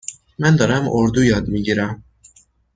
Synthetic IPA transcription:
mænd̪ɒːɾæmʔoɾd̪ujɒːd̪miɟiːɾæm

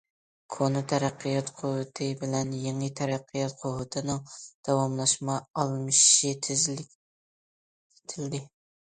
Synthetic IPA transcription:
kʰonɨt̪ʰɛɾæqʰːɨjɑt̪qʰʊwɨt̪ʰɨbɪlɛnjeŋɨt̪ʰæɾæqʰːɨjɑt̪̚qʰʊwɨt̪ʰɨnɨŋd̪̥ɑwɑmlˠɑʃmɑɑlˠmɨʃit̪ʰzʲ | t̪ʰɪld̪ɪ

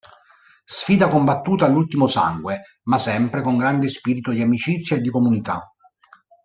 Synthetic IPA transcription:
sfiːd̪akombat̪ːuːt̪aːlːult̪imosa̰ŋɡwe | masɛmpɾekoŋɡɾand̪espiːɾit̪od̪iamit͡ʃit̪sːjaed̪ːikomunit̪a̰

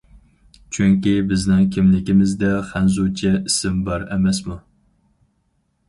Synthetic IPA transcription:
t͡ʃʰyŋkʲibɪznɪŋkʲʰɪmlɪkʲimɪzd̪ɛχænzut͡ʃʰɛisɪmbɑɾɛmɛsmu

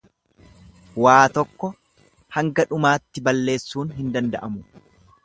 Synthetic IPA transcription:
waːt̪ɔkːɔ | hɐŋɡɐᶑʊmaːt̪ːɪbɐlːe̞ːsːuːnɦɪnd̪ɐnd̪ɐʔɐmʊ

